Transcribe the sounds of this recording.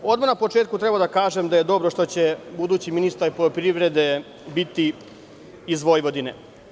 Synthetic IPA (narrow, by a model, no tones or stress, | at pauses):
o̞d̪manapo̞t͡ʃe̞ːt̪kut̪ɾe̞bad̪akaːʒemd̪ajed̪o̞bɾo̞ʃt̪o̞t͡ɕe̞bud̪uːt͡ɕiminist̪aɾpolopɾiʋɾe̞d̪e̞ | bit̪i | izʋo̞jʋo̞d̪inḛ